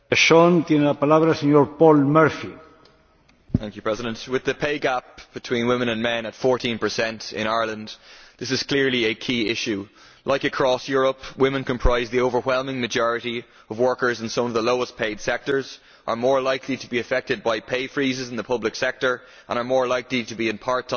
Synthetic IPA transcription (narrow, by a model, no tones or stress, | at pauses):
eʃont̪jenelapalaβɾaseɲoɾpɔlmɛɾfi | θæ̃ŋkjupʰɹ̥ɛzɪɾə̃ntwɪðəpʰeɪɡap̚b̥ɨtʰw̥ĩnwɪ̃mə̃nə̃nmɛ̃nətfɔɹtĩnpə˞sɛ̃ntɪ̰̃ɾ̃aɪɹlə̃ndðɪsɨz̥kʰl̥ɪɹliəkʰiːɪʃʉ | lʔaɪkɨkʰɹ̥ɔsjʊɹəpwɪ̃mə̃nkʰə̃mpʰɹ̥aɪzðioʊvə˞wɛlˠmɪ̃ŋmɨd͡ʒɔɹɨɾi | əvwɜ˞kə˞zɪ̃n̩sʌ̃mʌvðəloʊəspʰeɪd̥sɛk̚tə˞z̥ | ʔə˞mɔɹlaɪkʰliɾəbiɨfɛk̚tɨd̚baɪpʰeɪfɹizɪzɪ̃nðəpʰʌblɪksɛk̚tə˞ | ʔə̰̃ñə˞mɔɹlaɪkliɾəbiɨ̃npʰaɹt